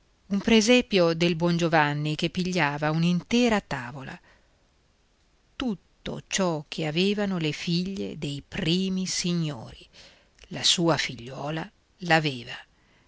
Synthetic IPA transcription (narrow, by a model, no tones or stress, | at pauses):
umpɾezɛpjod̪elbwɔnd͡ʒovanːikepːiʎːaːvaunint̪ɛːɾat̪aːvola̰ | t̪ut̪ːo̰t͡ʃɔkʰeaveːvanolefiʎːḛd̪ejpɾiːmisiɲːo̰ːɾi | lasuːafiʎːwɔːla | laveːva